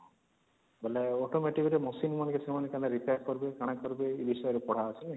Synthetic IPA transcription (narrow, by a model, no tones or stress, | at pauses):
beleɔʈomeʈikɔɾemɔsinmanekesemanekaleɾipjaɾkɔɾbekaɽ̃akɔɾbeebisɔjɔɾepɔɽ̤aːsʰe